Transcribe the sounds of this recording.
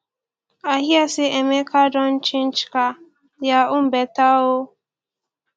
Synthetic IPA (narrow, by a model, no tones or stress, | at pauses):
aɦjasɪemekadɔn̩t͡ʃɪn̩t͡ʃɪ̥ka | jaʊm̩betaʊ